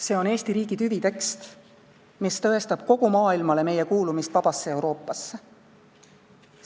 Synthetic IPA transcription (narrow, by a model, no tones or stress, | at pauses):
se̞ːo̞ne̞ːst̪iɾiːɡ̥id̪yvit̪e̞kst̪ | mist̪ɤ̞e̞st̪ɑb̥̚ko̞ɡ̥umɑːilmɑle̞me̞je̞kuːlumist̪vɑb̥ɑsːee̞wɾo̞ːpːˑɑsːe